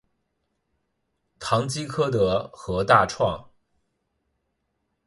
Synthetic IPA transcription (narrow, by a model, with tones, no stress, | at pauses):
t̪ʰɑ˧˥ŋt͡ɕi˥kʰɤ˥d̪ə˨xɤ˧˥t̪a˥˧ʈ͡ʂʰwɑ˥˩ŋ